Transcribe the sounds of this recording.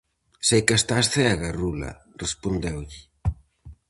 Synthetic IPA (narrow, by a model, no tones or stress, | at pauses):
sejkast̪asθɛɣarulɐ̰ | respond̪ewʎɪ